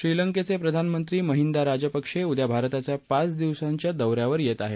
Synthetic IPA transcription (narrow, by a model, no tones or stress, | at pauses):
ɕɾiləŋket͡sepɾəd̪ʱanmənt̪ɾiːməɦind̪aɾad͡ʑəpəkʂeud̪jabʱaɾt̪at͡sjapat͡sd̪iʋsaɲt͡ɕjad̪əwɾjaʋəɾjet̪aɦe